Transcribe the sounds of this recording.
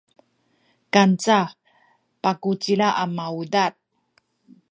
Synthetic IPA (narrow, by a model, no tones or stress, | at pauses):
kant͡sa | pakut͡silaʔamaudat̪̚